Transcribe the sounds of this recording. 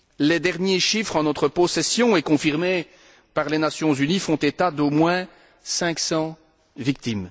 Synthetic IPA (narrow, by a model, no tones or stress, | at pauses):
lɛd̪ɛʁnjeʃifχɑ̃nɔt̪χəpɔsɛsjɔ̃ɛkɔ̃fiʁme | paʁlenasjɔ̃zynifɔ̃t̪et̪ad̪omwɛ̃ | sɛ̃ksɑ̃ | vik̚t̪im